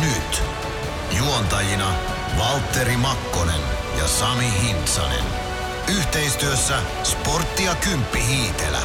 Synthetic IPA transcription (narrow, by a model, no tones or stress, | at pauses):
nyt̪ | juont̪ɑjinɑ | ʋɑlt̪ːe̞ɾimɑkːo̞nḛn | jɑ̰sɑmiɦint̪sɑ̰nḛn | yht̪e̞jst̪yøsːæ | spo̞rt̪ːiɑkympːiɦiːt̪ḛlæ̰